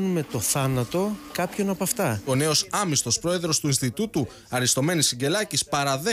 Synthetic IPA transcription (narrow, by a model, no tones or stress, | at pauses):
nume̞t̪o̞θɐnɐt̪o̞kɐpço̞nɐpɐft̪ɐo̞ne̞o̞sɐmist̪o̞spɾo̞eðɾo̞st̪uinst̪it̪ut̪u | ɐɾist̪o̞me̞nisiɟe̞lɐcispɐɾɐðe